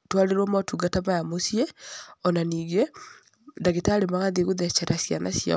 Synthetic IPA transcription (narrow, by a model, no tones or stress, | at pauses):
twaɾeɾwɔmatuɡatamajamosieɔnaniːɡe | daɣetaɾemaɣaðeɣoðɛt͡ʃɛɾasjana̰sja̰